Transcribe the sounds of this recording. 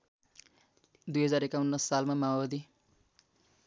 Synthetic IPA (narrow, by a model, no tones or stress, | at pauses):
d̪ujɦʌd͡zaɾekaunːʌsːalmamawbʌd̪i